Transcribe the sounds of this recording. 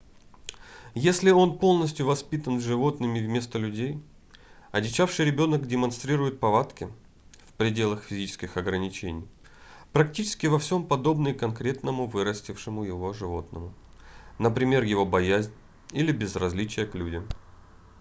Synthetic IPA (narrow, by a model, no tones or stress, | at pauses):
jesʲlʲɪo̞npo̞lˠnəsʲtʲjʊvɐspʲit̪ənʐɨvo̞t̪nɨmʲɪvmʲe̞st̪əlʲʉdʲej | ɐdʲɪt͡ɕafʂɨjɾʲɪbʲo̞nəkdʲɪmɐnst̪ɾʲiɾʊjɪt̪̚pɐvat̪kʲɪ | fpɾʲɪdʲe̞lˠəxfʲɪzʲit͡ɕɪ̥skʲɪxɐɡɾənʲɪt͡ɕenʲɪj | pɾɐk̚tʲit͡ɕɪ̥skʲɪvɐfsʲo̞mpɐd̪o̞bnɨkɐnkɾʲe̞t̪nəmʊvɨɾəsʲtʲɪfʂɨmʊjɪvo̞ʐɨvo̞t̪nəmʊ | nəpɾʲɪmʲe̞rjɪvo̞bɐjæzʲnʲ | ilʲɪbʲɪzrɐzʲlʲit͡ɕɪjəklʲudʲɪm